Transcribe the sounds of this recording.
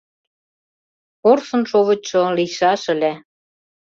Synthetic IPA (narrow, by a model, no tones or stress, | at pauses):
orsɤ̆nʃoβɤ̆t͡ɕŏliʃɑʃə̆lʲe